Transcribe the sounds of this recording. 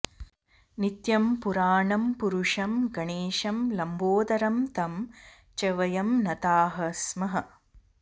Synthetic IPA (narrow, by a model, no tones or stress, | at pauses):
nit̪jɐmpuɾaːɳɐmpuɾuʂɐmɡɐɳeːʃɐmlɐmboːd̪ɐɾɐmt̪ɐm | t͡ʃɐʋɐjɐmnɐt̪aːɦɐsmɐɦɐ